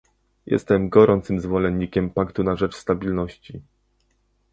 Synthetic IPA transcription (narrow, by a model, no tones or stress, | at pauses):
jʔɛ̰st̪ɛmɡɔɾʔɔnt̪sɘmzvɔlɛnɲːikʲɛmpakt̪unaʐɛt͡ʂst̪abʲilnɔɕt͡ɕi